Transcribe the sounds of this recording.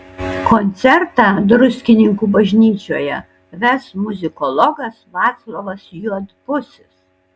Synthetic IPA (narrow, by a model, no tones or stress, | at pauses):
konʲt̪sʲɛɾt̪ɑːd̪ɾʊsʲkʲɪnʲɪŋkuːbɐʒʲnʲiːt͡ʃʲo̰ːjɛ̰ | ʋʲɛsmʊzʲɪkɔlˠɔɡɐsʋɑːt̪slˠoːʋɐsjuɔt̪pʊsʲɪs